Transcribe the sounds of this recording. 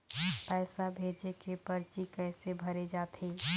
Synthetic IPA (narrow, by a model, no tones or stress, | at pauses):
pɛɪsabʱeːd͡ʒekepəɾt͡ʃikɛɪsebʱəɾed͡ʒaːt̪ʰe